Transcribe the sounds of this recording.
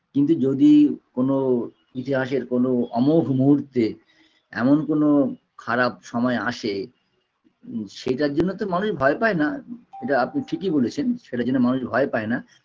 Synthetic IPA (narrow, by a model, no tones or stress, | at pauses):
kint̪ud͡ʑod̪ikono | it̪ʰiɦaʃeɾkonoɔmobʱmuɦuɾt̪e | ɛ̰monkono | kʰaɾabʃɔmɔeaʃe | ʃeʈaɾd͡ʑonːot̪omanuʃbʱɔepaenaeʈaapniʈʰikibolet͡ɕʰenʃeʈad͡ʑonːomanuʃbʱɔepaena